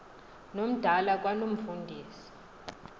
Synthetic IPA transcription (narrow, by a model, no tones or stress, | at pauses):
nom̩d̥ʱalak̬ʼwanom̩fundʱiːsi̥